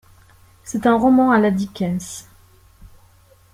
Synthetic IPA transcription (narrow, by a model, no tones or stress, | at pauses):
sɛt̪ɛ̃ʁɔmɑ̃alad̪ikʲɛs